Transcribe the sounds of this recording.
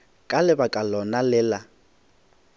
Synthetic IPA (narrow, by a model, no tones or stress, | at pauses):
kʼalɪbakʼalɔnalɪːla